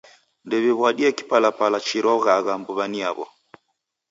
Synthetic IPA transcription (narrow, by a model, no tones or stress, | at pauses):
ndɛβiβwaɗiɛki̥palapalat͡ʃiɾɔɣaɣambuβaniaβɔ̰